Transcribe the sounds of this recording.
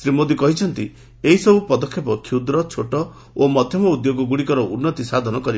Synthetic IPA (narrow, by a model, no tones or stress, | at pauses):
sɾimod̪ikɔɦit͡ʃʰɔnt̪i | eɦisɔbupɔd̪ɔkʰːepɔkʰid̪ɾɔt͡ʃʰoʈɔ | omɔd̪ʱjɔmɔud̪joɡɔɡuɽikɔɾɔʔunːɔt̪isad̪ʱɔnɔkɔɾi